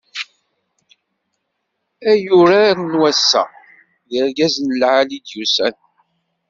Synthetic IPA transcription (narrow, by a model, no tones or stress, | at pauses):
æjuɾaɾnwæsːæ̰ | ðəɾɡæznəlʕalid̪jusæ̰n